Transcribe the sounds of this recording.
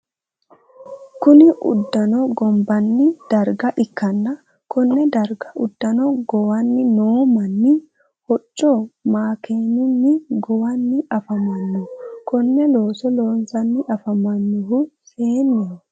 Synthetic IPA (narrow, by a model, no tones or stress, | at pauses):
kʊnɪʔʊ̰d̪ːɐnɔɡɔmbɐnːɪd̪̥ɐɾɡɐʔɪkːɐnːɐ | kʊnːɛd̪ɐɾɡɐʊd̪ːɐnɔɡɔwɐnːɪnoːmɐnːɪ | hɔt͡ʃʼːomaːkeːnʊnːɪɡɔwɐnːɪɐfɐmɐnːʊkʊnːɛloːsɔloːnsɐnːɪʔɐfɐmɐnːʊɦʊseːnːɛ